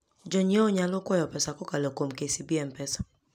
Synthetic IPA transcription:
d͡ʒɔɲiɔɲalɔkwɔjɔpɛsakɔkalɛkomkesibɛmpɛsḁ

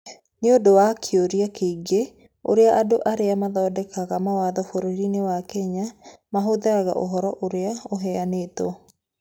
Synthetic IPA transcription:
neodowakʰioɾiakeiɡe | o̰ɾeaʔadoʔaɾeamaðɔːdɛkaɣamawaðɔfoɾoɾinewakɛɲamaɦoðaaɣa̰ʔoɦɔɾɔʔoɾeaoɦɛaneːtɔ

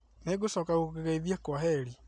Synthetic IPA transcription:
neɣosɔkaɣokeɣaiðjɛkwaɦɛɾi

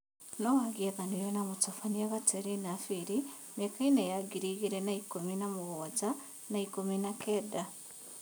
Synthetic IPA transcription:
nɔwaɣiɛðanujɔnamotɔfaniaβatɛɾinafiɾi | mekainɛjaɡiɾiɣiɾɛnaikominamoɣɔza | naikominakɛda

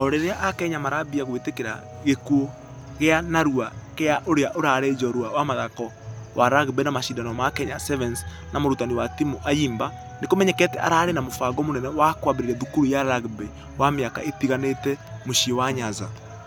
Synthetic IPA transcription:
ɔɾeɾeaʔakɛɲamaɾabiaɣwetekeɾa̰ | ɣekuo | ɣeanaɾuakeaʔoɾeaʔoɾaɾed͡ʒɔɾuawamaðakɔ | waɾaɣbɛnamaʃidanɔmakɛɲasɛvɛns | namoɾutaniwatimuʔajiːmba | nekomɛɲɛkɛtɛʔa̰ɾaːɾenamofaɡɔmonɛnɛwakwaβeɾeɾɛðukuɾujaɾaɣbe | wameaka̰ʔetiɣanetɛmoʃiɔwaɲaza̰

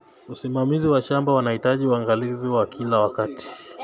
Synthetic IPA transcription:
usimamiziwaʃambawanahitaʄiuaŋɡaliziwakʰilawakati̥

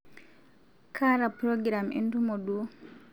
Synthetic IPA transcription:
kʰaɾapɾɔɡɾamḭntumɔɗu

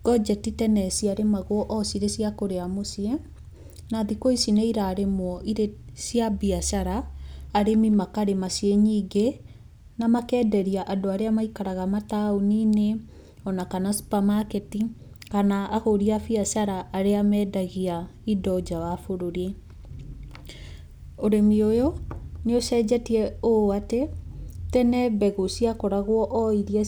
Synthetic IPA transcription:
ɡ̥ɔd͡ʒɛtitɛnɛsiaɾemaɣoɔʔɔsiɾesiakoɾeamosiɛ | naðikoisinɛiɾaɾemwɔʔiɾesiabiasaɾaːɾemimakaɾemaseɲiːɡe | namakɛːdɛɾiaʔadoaɾeamaikaɾaɣamataoniːne | ɔnakanasu̥pamaketikanaːɣoɾiafiasaɾaʔːɾeamɛdaɣia | idɔd͡ʑawafoɾoɾe | oɾemiojɔneosɛːd͡ʑɛtiɛoatetɛnɛbɛɣosiakɔɾaɣwɔʔɔiɾiɛ

